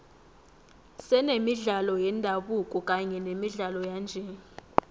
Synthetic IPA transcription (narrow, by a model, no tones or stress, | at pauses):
sɛnemiɮalɔjɛndʱaɓukʼɔkʼaɲɛnemiɮalɔjaːnd͡ʒʱɛ